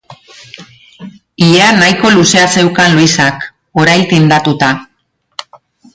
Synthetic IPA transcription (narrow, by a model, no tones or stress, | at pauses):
ieanajko̞luse̞ase̞wkanluisak | o̞ɾajlt̪ind̪at̪ut̪a